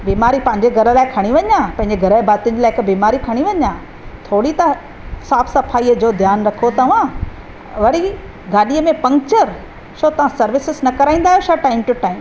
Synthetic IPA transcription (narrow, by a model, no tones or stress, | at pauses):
biːmaːɾipɐ̃ɦɪ̃ɲd͡ʑeɡʱɐɾə̆laːɪkʰɐɽ̃iʋɐɲãpɐ̃ɦɪ̃ɲd͡ʑeɡʱɐɾəbaːt̪ɪ̃ɲd͡ʑɪlaːɪɪkbiːmaːɾikʰɐɽ̃iʋɐɲã | t̪ʰoːɽit̪ɐ | saːbsɐpʰaːiːəd͡ʑoːd̪ʱjaːnɾɐkʰot̪ɐʋ̤ã | ʋɐɾi | ɡaːɗiəmẽpɐ̃ŋɡt͡ɕəɾ | ʃot̪ɐʋ̤ãsɐɾʋɪsɪznɐkɐɾaːĩːnd̪aːɦjoʃaʈaːɪmʈʊʈaːɪm